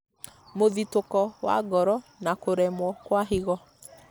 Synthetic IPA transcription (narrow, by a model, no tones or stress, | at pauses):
moðitokɔwa̰ɡɔɾɔnakoɾɛmwɔkwaɦiɣɔ